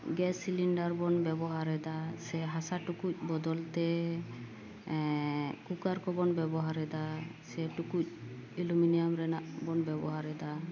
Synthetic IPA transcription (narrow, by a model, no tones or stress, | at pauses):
ɡɛsiliɳɖaɾbɔnbɛbɔɦaɾɛd̪asɛɦasaʈukuc̚ˀbɔd̪ɔlt̪ɛ | kukaɾkɔbɔnbɛbɔɦaɾɛd̪asɛʈukuc̚iluminijamɾɛnaʔbɔnbɛbɔɦaɾɛd̪a